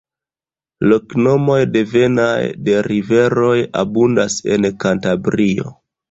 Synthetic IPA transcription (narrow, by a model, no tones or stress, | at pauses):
lokno̞mo̞jde̞ve̞najde̞ɾive̞ɾo̞ja̰bundase̞̰nkantabɾio̞̰